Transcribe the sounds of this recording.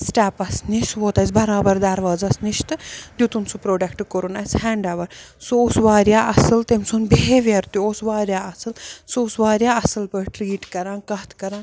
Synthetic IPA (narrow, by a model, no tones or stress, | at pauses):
sʈaːpɐsniʃʋoːt̪ɐsbɐɾaːbɐɾd̪aɾʋaːzɐsniʃt̪ɨd̪ʲjut̪unsupɾoːɖɐkʈkoɾunɐsʲhɛːɳɖaʋɐɾ | soosʋaːɾjaːʔɐsɨlt̪emʲsunbeeʋɐɾt̪uosʋaːɾʲjaːɐsɨlsousʋaːɾʲjaːɐsɨlpəʈɾiːʈkɐɾãːnkɐɦt̪kɐɾãːn